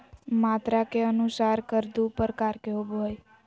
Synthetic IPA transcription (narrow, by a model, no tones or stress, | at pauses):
mat̪ɾakeənusaɾkəɾd̪upəɾkaɾkeɦoboj